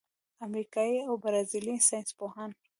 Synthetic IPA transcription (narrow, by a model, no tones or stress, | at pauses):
amɾikɑiawbɾɑzilisɑjnspohan